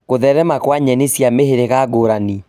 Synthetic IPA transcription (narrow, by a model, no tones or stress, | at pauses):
ɣoðɛɾɛmakwaɲɛnesjameheɾeɣaɡoɾani